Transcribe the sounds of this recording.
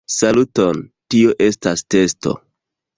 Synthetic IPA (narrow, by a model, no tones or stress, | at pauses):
salutontioʔe̞staste̞sto̞̰